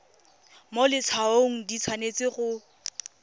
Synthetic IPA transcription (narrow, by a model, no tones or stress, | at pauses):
molɪt͡sʰaoŋ̩dit͡sʰwanet͡sɪχʊ